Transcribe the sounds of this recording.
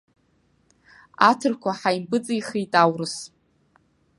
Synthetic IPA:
atʰɨrkʷʰaħajmpʼɨt͡sʼijχijtʼawrɨs

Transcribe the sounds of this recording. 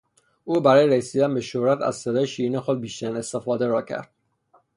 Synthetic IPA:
ʔuːbæɾɒːjeɾesiːd̪ænbe̞ʃohɾæt̪ʰæ̰zsed̪ɒːjeʃiːiːnexo̞d̪̚biːʃt̪æɾine̞st̪e̞fɒːd̪e̞ɾɒːcʰæ̰ɾd̪̥̚

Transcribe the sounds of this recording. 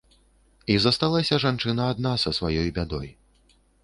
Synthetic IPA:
izɐst̪alˠasʲɐʐant͡ʂɨnɐːd̪̚nasɐsvajɔjbʲad̪ɔ̰j

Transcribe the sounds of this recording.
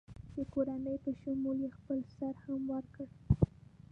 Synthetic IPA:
d̪əkoɾanəjpəʃamuljexpəlsaɾhamwəɾkəɽ

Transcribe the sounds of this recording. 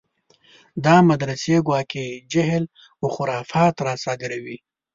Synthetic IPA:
d̪ɑmad̪ɾaseɡwɑːked͡ʒaɦl | ʊxʊɾɑfɑt̪ɾɑsɑːɡɪɾawi

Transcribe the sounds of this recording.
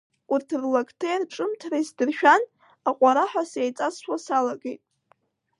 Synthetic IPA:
urtʰɨrlakʰʼtʰajrʈ͡ʂʼɨmtʰrajsdɨrʃᶣan | aqʷʼaɾaħʷᶣasejt͡sʼasʃasalaɡe̞jtʼ

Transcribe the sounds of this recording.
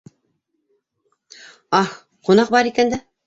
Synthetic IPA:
ɑh | qunɑq̚bɑɾikænd̪æ

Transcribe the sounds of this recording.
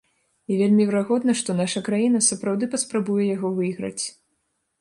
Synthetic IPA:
ivʲelʲmʲivʲɛɾaɣɔd̪nɐʂt̪ɔnaʂɐkɾajinɐsɐpɾawd̪ɨpɐspɾabujɛjaɣɔvɨiɣɾɐ̰t͡sʲ

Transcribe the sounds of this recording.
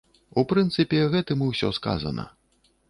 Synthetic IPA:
upɾɨnt̪sɨpʲɛɣɛt̪ɨmɨwsʲɔska̰zɐ̰nɐ̰

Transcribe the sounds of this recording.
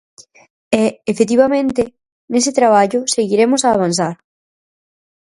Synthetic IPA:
ɛefet̪̬iβamẽnt̪e | nesɪt̪ɾaβ̞aʎʊseɣiɾemosaːβ̞anθ̬aɾ

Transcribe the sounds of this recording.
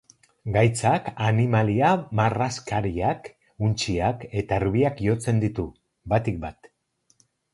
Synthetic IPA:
ɡajt͡sakanimaliamaraskaɾiak | unt͡ʃiake̞t̪aɾβiakjo̞t͡se̞nd̪it̪u | bat̪ik̚bat̪

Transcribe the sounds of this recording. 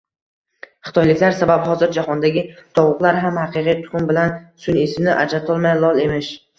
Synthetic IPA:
χɨ̥t̪ʰɒjlɪkʲlaɾsabaphɒzɪɾd͡ʒahɒnd̪aɡʲɪt̪ʰɒwʊqlˠaɾɦamhaqɨqijt̪ʰʊ̥χʊmbɪlansʊnesɪmnɪʔa̰d͡ʒɾat̪ʰɒlˠmajlˠɒlˠe̞mɪʃ

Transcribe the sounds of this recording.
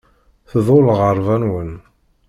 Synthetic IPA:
θðˤoləʁəɾˤvænwən

